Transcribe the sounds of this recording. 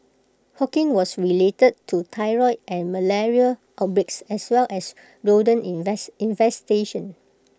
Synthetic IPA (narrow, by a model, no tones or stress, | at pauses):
hɔkĩnwɔsɹiletəd̚tʰutʰaɪɹɔɪtʔɛ̃nməlɛɹiəlʔɔbɹɪksɛswɛlʔɛs | ɹodə̃nɛsĩnvɛsteʃə̃n